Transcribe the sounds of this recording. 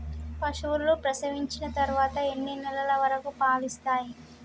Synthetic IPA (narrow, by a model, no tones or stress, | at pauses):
pɐʂuʋuɾlupɾɐsɐʋiɲt͡ʃinɐt̪ɐɾuʋaːt̪ɐenːinɛlɐlɐʋɐɾɐkupaːlist̪aːji